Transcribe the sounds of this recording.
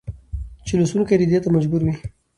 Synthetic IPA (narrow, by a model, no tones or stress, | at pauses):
t͡ʃelosunkajd̪id̪et̪amad͡ʒbuɾwi